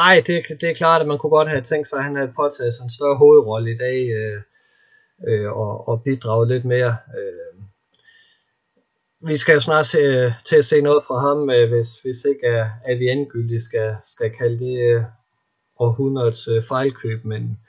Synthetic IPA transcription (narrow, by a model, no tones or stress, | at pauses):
nɑ̈ɪ̰d̥e̝d̥e̝æɐkʰlɑ̰̈ːd̥æ̥mænkʰuɡ̥ɒ̽d̥hæt͡sʰeŋ̰ɡd̥sɑ̈ɪhænhæð̩ˠpʰɒ̽t͡sʰɛːð̩ˠsɑensd̥ɶɐɦo̝ːð̞̩ˠʁɒ̽ləid̥ɛ̰ːø | øɒɒ̽b̥id̥ʁɑ̰̈ʊəle̝d̥me̝ːɐø | ʋisɡ̥æjo̝snɑ̈ːset͡sʰe̝æse̝̰ːnɔ̽ːð̞̩ˠfʁɑ̈ɦɑ̈møʋe̝sʋe̝se̝ɡ̥ææʋienɡ̥yl̰d̥isɡ̥æsɡ̥ækʰæləd̥e | ɒhuðɐðˠsfɑ̈ɪlkʰø̰ːb̥men